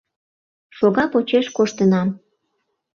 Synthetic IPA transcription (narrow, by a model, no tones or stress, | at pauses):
ʃoɣɑpot͡ɕeʃkoʃt̪ənɑm